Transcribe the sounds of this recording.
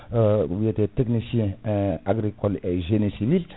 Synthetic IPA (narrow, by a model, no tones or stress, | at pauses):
wieteteknisjɛ̃aɡɾikɔleʒenesivil